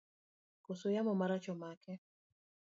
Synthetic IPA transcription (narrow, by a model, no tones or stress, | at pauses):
kosojamɔmaɾat͡ʃɔmakɛ